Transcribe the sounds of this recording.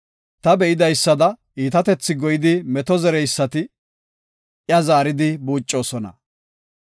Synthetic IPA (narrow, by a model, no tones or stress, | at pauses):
t̪ɐbɛʔɪd̪ɐjsːɐd̪ɐʔiːt̪ɐt̪ɛt͡sːɪɡɔjɪd̪ɪmɛt̪ɔzɛɾɛjsːɐt̪ɪ | jɐzaːɾɪd̪ɪbuːt͡ʃʼːo̞ːsɔnɐ̰